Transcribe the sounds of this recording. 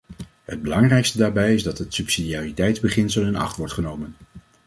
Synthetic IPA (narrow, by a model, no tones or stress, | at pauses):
ɦəd̚bəlɑŋrɛjkstədaːɹbɛjɪzdɑtɦətsypsidiaːritɛjtzbəχɪnsəlˠɪnɑ̰χtʋɔɹtχənowmən